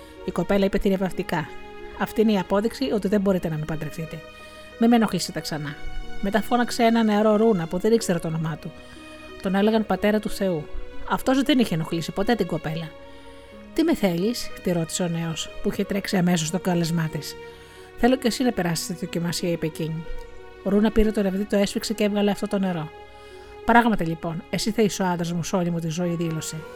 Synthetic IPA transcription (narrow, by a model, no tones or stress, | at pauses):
iko̞pe̞lɐipet̪iɾevɐft̪ikɐ | ɐft̪iːineiɐpo̞ðiksio̞t̪iðembo̞ɾit̪e̞nɐmepɐd̪ɾeθit̪e̞ | memeno̞xisit̪ɐksɐnɐme̞t̪ɐfo̞nɐkseenɐneɐɾo̞ɾunɐpuðenikseɾɐt̪oonomɐt̪u | t̪o̞ne̞leɣɐnpɐt̪e̞ɾɐt̪uθe̞uɐft̪o̞zðe̞niçeno̞xlisipo̞t̪et̪iŋɡo̞pe̞lɐ | t̪ime̞θe̞ʎist̪iɾo̞t̪i̥seo̞ne̞o̞spuiçet̪ɾe̞ksiɐme̞s̬ost̪o̞ɡɐlezmɐt̪is | θe̞lo̞ce̞sinɐpe̞ɾɐsi̥st̪t̪iðocimɐsiɐipe̞ciɲi | oɾunɐpiɾet̪oɾevðit̪o̞esfiksecevɣɐleɐft̪ot̪o̞ne̞ɾo̞ | pɾɐɣmɐt̪ɐʎipo̞ne̞siθeisoɐnd̪ɾɐzmuso̞limut̪̬izo̞iðilo̞se